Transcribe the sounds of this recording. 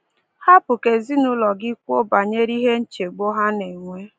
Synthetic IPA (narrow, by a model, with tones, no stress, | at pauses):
ha˦pʊ˨ke˨zi˦nʊ˦lɔ˨ɡɪ˦kʷu˦o˦ba˨ɲe˦ɾi˦ɦe˦n̩˦t͡ʃe˨ɡ͡bo˦ɦa˦ne˨ŋʷe˦